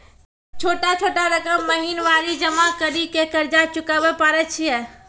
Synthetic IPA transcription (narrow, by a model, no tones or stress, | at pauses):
t͡ʃʰoːʈat͡ʃʰoːʈaɾəkəmːəɦinʋaːɾid͡ʒəmakəɾikekɐɾd͡ʒat͡ʃʊkabepaːɾɛt͡ʃʰiɦɛː